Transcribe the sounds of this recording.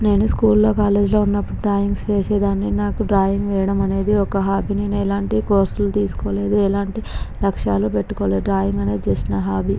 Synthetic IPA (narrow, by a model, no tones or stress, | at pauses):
ne̞ːnuskuːlːo̞ːkaːleːd͡ʒlo̞ːunːɐpːuɽuɖɾaːjiŋɡsʋe̞ːseːd̪aːnːinaːkuɖɾaːjiŋɡʋɛːjɐɽɐmɐne̞ːd̪iɔkɐɦaːbininuɛlaːɳʈiko̞ːɾsulut̪iːsu̥koːle̞ːd̪uɛlaːɳʈilɐkʂa̰ːlupe̞ʈːu̥koːleːɖɾaːjiŋɡɐne̞ːd̪it͡ʃeːsinɐɦaːbʱi